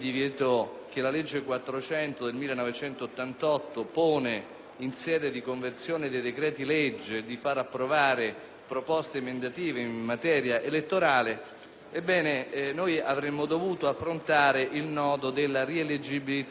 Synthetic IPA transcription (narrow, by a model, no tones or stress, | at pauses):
d̪ivjɛːt̪ok̟elaled͡ʒːekwat̪ːɾot͡ʃɛnt̪od̪elmilːenɔvet͡ʃɛnt̪oːt̪ːant̪ɔt̪ːopoːne | insjɛːd̪ed̪ikoɱvert̪sjoːned̪ejd̪ekɾɛːt̪iled͡ʒːed̪ifaɾapːɾovaːɾe | pɾopɔst̪emend̪at̪iːveimːat̪ɛːɾjaʔelet̪ːoɾaːle | ebːɛːnenojavɾemːod̪ovuːt̪oafːɾont̪aːɾeʔilnɔːd̪od̪elːaɾieled͡ʒibilit̪